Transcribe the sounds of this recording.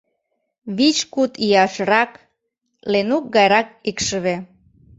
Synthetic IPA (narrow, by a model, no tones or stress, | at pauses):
βit͡ɕkut̪iɑʃɾɑk | lenuk̚ɡɑjɾɑk̚ikʃəβe